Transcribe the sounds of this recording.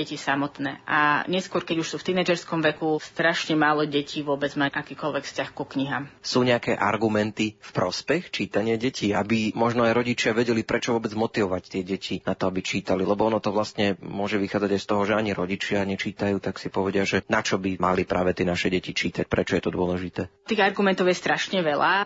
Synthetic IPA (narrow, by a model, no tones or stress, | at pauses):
ɛcisamɔt̪nɛ̰ːʔa̰ɲɛskʊɔɾkɛɟuʃsuːft̪inɛd͡ʒɛɾskɔmʋɛkust̪ɾaʃɲɛmaːlɔɟɛcʰiʋʊɔbɛd͡zmaʔakiːkɔlʋɛkfscaxkukɲiɦaːmsuːɲɛakɛːʔa̰ɾɡumɛnt̪ifpɾɔspɛxt͡ʃiːt̪aɲɪaɟɛcʰiabimɔʒnɔajɾɔɟit͡ʃɪaʋɛɟɛlipɾɛt͡ʃɔʋʊɔbɛd͡zmɔt̪iʋɔʋact̪ɪɛɟɛcʰinat̪ɔabit͡ʃiːt̪alilɛbɔɔnɔt̪ɔʋlast̪ɲɛmʊɔʒɛʋixaːd͡zaɟajst̪ɔɦɔʒɛaɲiɾɔɟit͡ʃɪaɲɛt͡ʃiːt̪ajuːt̪aksipɔʋɛɟɪaʒɛnat͡ʃɔbimalipɾʔaːʋɛt̪ɪɛnaʃɛɟɛcit͡ʃiːt̪ac̚pɾɛt͡ʃɔjɛt̪ɔd̪ʊɔlɛʒit̪ɛːt̪iːɣaɾɡumɛnt̪ɔʊjɛst̪ɾaʃɲɛʋɛlaː